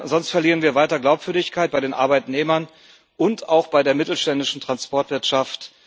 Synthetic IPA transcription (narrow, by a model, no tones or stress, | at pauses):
zɔnstfɛɐliːʁnviːɐvaɪtɐɡlaʊpv̥ʏɐdɪçkʰaɪt̚b̥aɪdeːnʔa̰ɐbaɪtneːmɐn | ʔʊntaʊxb̥aɪdeːɐmɪtl̩ʃtɛndɪʃn̩tʁ̥anspɔɐtv̥ɪɐtʃaft